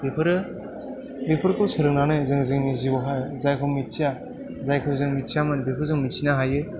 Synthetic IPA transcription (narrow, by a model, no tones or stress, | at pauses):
b̥ipʰɯɾɯ | bipʰɯɾkʰɯwsʰɯɾɯknanɯzɯŋzɯŋnizibɔɦajzajkʰɯwmit͡ʃija | zajkʰɯwzɯŋmit͡ʃijamanbipʰɯɾzɯŋmit͡ʃʰinaɦajɯ